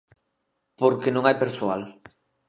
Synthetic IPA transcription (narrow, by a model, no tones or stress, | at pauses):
poɾkenõŋajpeɾsoal